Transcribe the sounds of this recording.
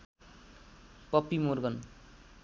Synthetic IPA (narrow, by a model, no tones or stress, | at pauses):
pʌpːimorɡʌn